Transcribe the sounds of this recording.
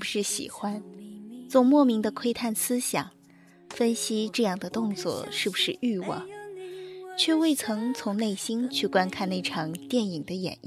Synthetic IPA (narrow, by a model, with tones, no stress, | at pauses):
bu˩ʂɻ̩˥˩ɕḭ˨˩xwa˥nt͡sʊ˧˩mwɔ˥˩mi˧˥ŋd̪ə˧kʰwe˥ɪt̪ʰa˥˩nsɹ̩˥ɕjɑ̰˨˩˦ŋ | fə˥nɕi˥ʈ͡ʂɤ˥˧jɑ˥˩ŋd̪ə˩t̪ʊ˥˧ŋt͡swɔ̰˥˧ʂɻ̩˥˩bu˩ʂɻ̩˥˧ʔy˥˧wɑ̰˥˩ | t͡ɕʰɥɛ˥˧we˥˩ɪt͡sʰɤ˧˥ŋt͡sʰʊ˧˥ŋne˥˩ɪɕi˥nt͡ɕʰy˥˩kwa˥nkʰa˥˧ne˥˩ɪʈ͡ʂʰɑ˧˥ŋt̪jɛ˥˩ni˨˩ŋd̪ə˦jɛ̰˨˩ni˥˩